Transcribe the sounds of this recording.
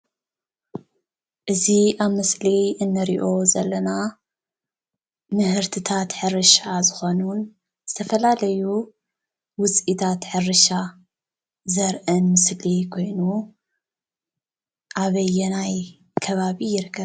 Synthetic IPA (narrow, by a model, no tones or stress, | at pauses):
ʔɨziʔaβmɨsliɨnːɨɾiʔo̞zɐlːɐna | mɨhɨɾt̪ʰɨt̪ʰat̪ħɨrɨʃazɨxo̞nun | z̥ɨt̪ʰɐfɐlalɐju | wʊt͡sʼit̪ʰat̪ħɨrɨʃa | zɐɾʔɨnmɨslikʰo̞jnu | ʔaβɐjːɛnaj | kʰɐβaβijɪɾɨkʰːɐβ